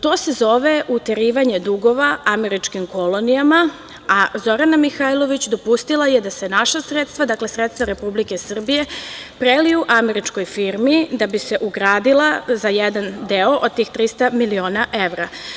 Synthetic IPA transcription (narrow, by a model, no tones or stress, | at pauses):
t̪o̞ːse̞zo̞ʋe̞ʔut̪eɾiːʋaɲe̞d̪uɡo̞ʋaʔame̞ɾit͡ʃkimko̞lˠonijama | azo̞ɾanamixajlˠo̞ʋit͡ɕd̪o̞pust̪ilajed̪ase̞naʃasɾet̪st̪ʋad̪akle̞sɾet̪st̪vaɾe̞publike̞sr̩bije̞pɾeliuʔame̞ɾit͡ʃko̞jfiɾmid̪abise̞ʔuɡɾaːd̪ilˠazajed̪and̪eo̞ʔod̪̚t̪iːxt̪ɾist̪amilio̞ːnaʔevɾa